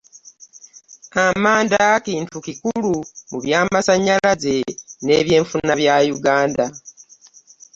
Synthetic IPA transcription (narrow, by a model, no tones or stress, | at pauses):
amaːndakiːntukikulumuβjaːmasaɲːaaze̞ne̞βje̞ːɱfunːaβjajuɡaːnda